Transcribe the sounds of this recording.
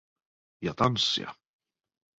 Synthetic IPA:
jat̪ansja̰

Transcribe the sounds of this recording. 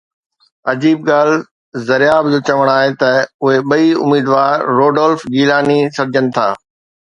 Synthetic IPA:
ɐd͡ʑiːb̚ɡaːl̤ | zɐɾɪjaːbd͡ʑoːt͡ɕɐʋəɽ̃aːɦet̪ɐʊɦeɓɐiʊ̰miːd̪ʋaːɾːoːɖɔːlfɡiːlaːnisɐɾd͡ʑʱənɪ̆t̪ʰa̰ː

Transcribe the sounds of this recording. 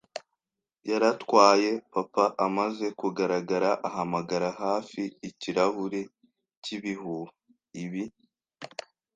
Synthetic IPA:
jaɾatwaːje̞papaʔamaze̞kuɡaɾaɡaɾaʔaɦamaɡaɾaɦaːfiːciɾahuɾe̞ | ciβiɦuh | iβi

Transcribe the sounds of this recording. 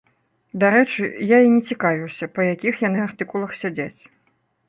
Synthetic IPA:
d̪aɾɛt͡ʂɨjainʲɛt͡sʲikavʲiwsʲɐpɐjakʲixjanɨart̪ɨkulˠɐxsʲad͡zʲat͡sʲ

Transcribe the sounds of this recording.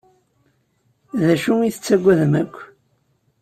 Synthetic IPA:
ðæʃuiθət͡sːæɡʷːæðmækʷː

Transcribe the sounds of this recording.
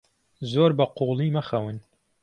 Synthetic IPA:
zoːɾbɐqulˠiːmɐxɐwɨn

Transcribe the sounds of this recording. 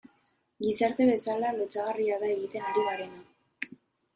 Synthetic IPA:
ɡisaɾt̪e̞βe̞salalot͡saɣariaðae̞ɣit̪e̞naɾiβaɾe̞na

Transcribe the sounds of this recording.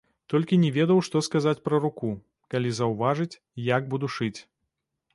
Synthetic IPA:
t̪ɔlʲkʲinʲɛvʲɛd̪ɐwʂt̪ɔskazat͡sʲpɾɐɾuku | kalʲizɐwvaʐɨt͡sʲ | jaɡ̚bud̪uʂɨt͡sʲ

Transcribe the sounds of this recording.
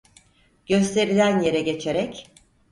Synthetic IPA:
ɟ̥ø̞st̪ʰe̞ɾilʲænje̞ɾɛɟe̞t͡ʃʰeɾɛc

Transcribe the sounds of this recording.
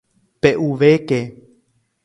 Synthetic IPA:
peʔuʋeke

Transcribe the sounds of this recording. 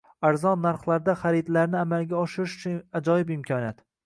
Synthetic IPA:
aɾzɒnːaɾχlˠaɾd̪aχaɾid̪laɾnɪamalɡʲaɒʃɪɾɪʃʊ̥t͡ʃʰʊnad͡ʒɒjɪbɪmkʲʰɒnjat̪

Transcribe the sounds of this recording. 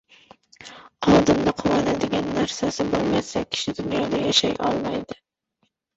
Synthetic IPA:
ɒlˠd̪ɪnd̪aqʰʊwɒnad̪ɪɡʲanːaɾsasɪbolˠmasak̚ʲʰɪ̥ʃɪd̪ʊnjɒd̪ajaʃajʔɒ̰lˠmajd̪ɪ

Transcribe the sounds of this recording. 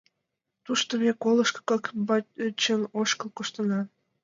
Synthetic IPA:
t̪uʃt̪omʲekoləʃkkɑkbɑt͡ɕənoʃkəlkoʃt̪ə̆nɑ

